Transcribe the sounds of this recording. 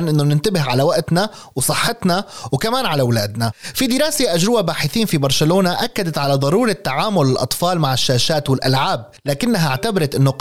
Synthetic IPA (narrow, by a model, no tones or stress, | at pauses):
nʔɪnːonɪnt̪abɪɦʕalawaʔt̪na | wsˤɨħːɪt̪nawkamaːnʕalawlaːd̪nafid̪ɪɾɑːseʔad͡ʒɾɪwabaːħɪθiːnfibɑɾˤʃaloːnaʔakːad̪at̪ʕalad̪ˤɑɾˤuːɾˤat̪ːaʕaːmʊlɪlʔɑ̰t̪ˤfɑːlmaʕɪʃːaːʃaːt̪wɪlʔalʕaːb̚ | laːkɪnːaɦaʕt̪abɑɾˤɑt̪ʔɪnːo